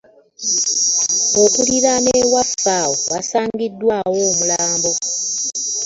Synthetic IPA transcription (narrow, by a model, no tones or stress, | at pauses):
okuliɾamewafawoβasaːŋɡidːwaːwo̞ːmulaːmbo̞